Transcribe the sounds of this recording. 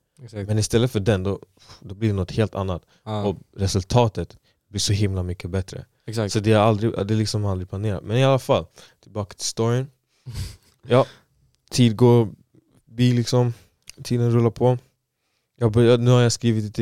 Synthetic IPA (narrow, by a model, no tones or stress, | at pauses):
smɛnɪst̪ɛlːət̪fœɖɛnd̪ɔ | d̪ɔblɪɖɛnɔt̪heːlt̪ʰa̰nːat̪ | ɔɾɛsɵlt̪ʰɑːt̪ət̪ | bliʂɔɦɪmlamʏkːəbɛt̪ɾə̰ | ssɔt̪d̪ɛaɾald̪ɾɪ̰d̪ɛlɪksɔmald̪ɾɪplaneːɾa̰t̪mɛnɪalːafalːt̪ʰɪlbɑːkḁt̪ʰɪ̥st̪ɔɾɪən | jɑː | t̪ʰiːd̪̚ɡoː | biːlɪksɔm | t̪ʰiːd̪ənɾɵlːapʰɔ | jɑbanʉ̟ːhaɾjaskɾiːvɪt̪lt̪